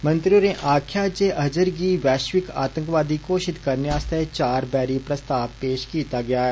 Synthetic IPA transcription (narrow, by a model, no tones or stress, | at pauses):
mɐ̃nt̪ɾionẽʔaːkʰjaːt͡ʃeʔɐd͡ʒəɾɡiʋɛːʃʋɪkaːt̪ə̃ŋkʋaːd̪ikoːʃɪt̪kɐɾnjaːst̪et͡ʃaːɾbɛːɾipɾɐst̪aːʋpeːʃkiːt̪aɡɐjaːɦɛː